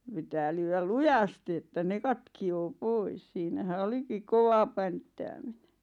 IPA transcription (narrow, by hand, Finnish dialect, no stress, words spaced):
pitæː lyːwæl lujɑsti etːæ ne kɑtkioː pois siːnæhæ olikik koʋɑ pæntːæːmine